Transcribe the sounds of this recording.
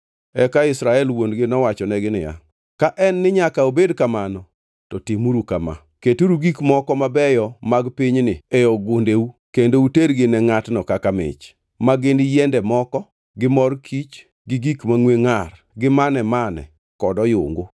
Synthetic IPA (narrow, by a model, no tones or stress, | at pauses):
ɛkaɪsɾaɛlwondɡɪnɔwat͡ʃɔnɛɡɪnɪja̰ | kaʔɛnːɪɲakaobedkamanɔ | tɔtimuɾukama̰ | ketuɾuɡikmɔkɔmabɛjɔmaɡpiɲnɪejɔɡʊndeukendouteɾɡɪnɛŋatnɔkakamɪ̰t͡ʃ | maɡɪndɪjɛndɛmɔkɔ | ɡɪmɔrkʰit͡ʃ | ɡɪɡikmaŋweŋar | ɡɪmanɛmanɛ̰ | kɔdɔjʊ̰ŋɡʊ